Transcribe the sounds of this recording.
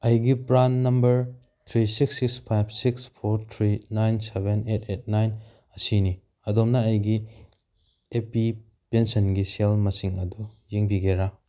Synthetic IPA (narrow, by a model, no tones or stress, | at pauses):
ɐjɡipɾanːɐmbɐɾ | t̪ʰɾisiksikspʰajbʰsikspʰoɾt̪ʰɾinajnsebʱenetʰet̚najn | ɐsini | ɐdomnɐɐjɡi | epi | pensɐnɡiselmɐsiŋɐdujiŋbiɡeɾa